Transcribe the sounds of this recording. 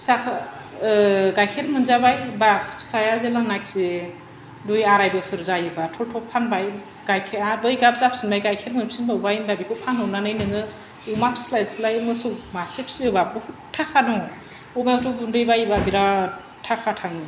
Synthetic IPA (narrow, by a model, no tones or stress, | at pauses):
sakʰ | ɡajkʰeɾmɯnzabajbaspʰsajazelaŋnak̚se | dujaɾajbɯsɯɾzajɯbatʰɔltʰɔpʰanbaj | ɡajkʰeabɯjɡap̚zapsinbajɡajkʰeɾmɯnpsinbawbajnbabikʰɯpʰanhɔwnanɯjnɯŋɯ | umapʰslajslajmɯsɯwmasepʰsiɯbabuhuttʰːakʰanɔ | ɔmatubundɯjbajbabiɾa | tʰakʰatʰaŋi